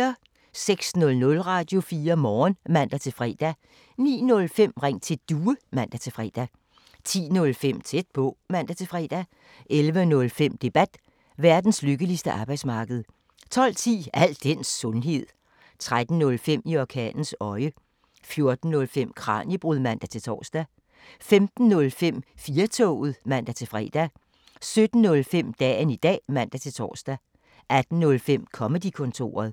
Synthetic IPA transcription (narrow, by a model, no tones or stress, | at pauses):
ɐ | seɡ̥snɔ̽lnɔ̽lʁɑ̈ːd̥jo̝fiːɐmɒːnmæn̰d̥æt͡sʰe̝fʁɛ̰ːd̥æ | nḭːnɔ̽lfem̰ʁeŋ̰t͡sʰe̝d̥uːəmæn̰d̥æt͡sʰe̝fʁɛ̰ːd̥æ | t͡sʰḭːnɔ̽lfem̰t͡sʰed̥̚b̥ʰɔ̽ːmæn̰d̥æt͡sʰe̝fʁɛ̰ːd̥æ | ʔelʋənɔ̽lfem̰d̥e̝b̥æd̥ | ʋæɐd̥n̩sløɡ̥əlisd̥əʔɑ̈ːb̥ɑɪd̥smɑ̈ːɡ̥əð̞̩ˠ | t͡sʰɒ̽l̰t͡sʰḭːæl̰d̥ensɔ̽nɦe̝ð̰ˠ | t͡sʰʁad̥n̩nɔ̽lfem̰iɒkʰɛ̰ːln̩sɒ̽ɪə | fjo̝ɐd̥n̩nɔ̽lfem̰kʰʁɑ̰̈ːnjəb̥ʁuðˠmæn̰d̥æt͡sʰe̝t͡sʰɒ̰ːsd̥æ | femd̥n̩ːɔ̽lfem̰fiːɐt͡sʰɔ̰ːʊð̩ˠmæn̰d̥æt͡sʰe̝lfʁɛ̰ːd̥æ | sød̥n̩ːɔ̽lfem̰d̥ɛ̰ːnid̥ɛ̰ːmæn̰d̥æt͡sʰe̝lt͡sʰɒ̰ːsd̥æ | ʔæd̥n̩nɔ̽lfem̰kʰɒ̽məd̥ikʰɔ̽nt͡sʰo̝̰ːɐð̞̩ˠ